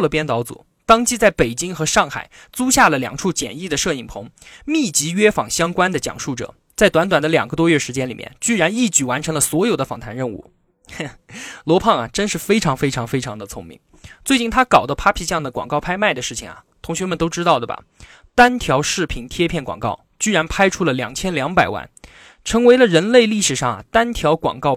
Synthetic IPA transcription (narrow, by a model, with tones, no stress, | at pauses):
lə˩pjɛ˥nt͡s̪ɑ˧˥ʊt͡sṵ˨˩˦ | t̪ɑ˥ŋt͡ɕi˥t͡sa˥˩ɪpe˨˩ɪt͡ɕi˥ŋxɤ˧˥ʂɑ˥˩ŋxa̰˨˩ɪ | t͡su˥ɕja˥˩lə˩ljɑ̰˨˩ŋʈ͡ʂʰu˥˩t͡ɕjɛ̰˨˩ni˥˩d̪ə˩ʂɤ˥˩i˨˩ŋpʰʊ˧˥ŋmi˥˩t͡ɕi˧˥ɥɛ˥fɑ̰˨˩ŋɕjɑ˥ŋkwa˥nd̪ə˨t͡ɕjɑ̰˨˩ŋʂu˥˩ʈ͡ʂɤ̰˨˩ | t͡sa˥˩ɪt̪wa˧˥nt̪wa˨˩nd̪ə˦ljɑ̰˨˩ŋɡə˦t̪wɔ˥ɥɛ˥˩ʂɻ̩˧˥t͡ɕjɛ˥nli˨˩jɛ̰˥˧nt͡ɕy˥˩ɻa˧˥ni˥˩t͡ɕy˥˩wa˧˥nʈ͡ʂʰɤ˧˥ŋlə˧swɔ˧˥jo˨˩ʊd̪ə˦fɑ˨˩ŋt̪ʰa˧˥nɻə˥˧nṵ˥˩ | lwɔ˧˥pʰɑ˥˩ŋɐ˩ʈ͡ʂə˥nʂɻ̩˥˩fe˥ɪʈ͡ʂʰɑ˧˥ŋfe˥ɪʈ͡ʂʰɑ˧˥ŋfe˥ɪʈ͡ʂʰɑ˧˥ŋd̪ə˧t͡sʰʊ˧˥ŋmḭ˧˥ŋ | t͡swe˥˧t͡ɕi˥˩nt̪ʰa˥kɑ˨˩ʊd̪ə˦pʰa˥pʰi˥˧ɕjɑ˥˩ŋd̪ə˩kwɑ̰˨˩ŋkɑ˥˩ʊpʰa˥ɪma˥˩ɪd̪ə˩ʂɻ̩˥˩t͡ɕʰi˩ŋɐ̰˩ | t̪ʰʊ˧˥ŋɕɥɛ˧˥mə˨nt̪o˥ʊʈ͡ʂɻ̩˥t̪ɑ˥˩ʊd̪ə˩bɐ̰˩ | t̪a˥nt̪ʰjɑ˧˥ʊʂɻ̩˥˩pʰi˧˩nt̪ʰjɛ˥pʰjɛ˥˩nkwɑ̰˨˩ŋkɑ̰˥˩ʊ | t͡ɕy˥ɻa˧˥npʰa˥ɪʈ͡ʂʰu˥lə˨ljɑ˨˩ŋt͡ɕʰjɛ˥nljɑ˧˥ŋpa˨˩ɪwa̰˥˩n | ʈ͡ʂʰɤ˧˥ŋwe˧˥ɪlə˧ɻə˧˥nle˥˧ɪli˥˩ʂɻ̩˨˩ʂɑ˥˩ŋɐ̰˩t̪a˥nt̪ʰjɑ˧˥ʊkwɑ̰˨˩ŋkɑ˥˧ʊ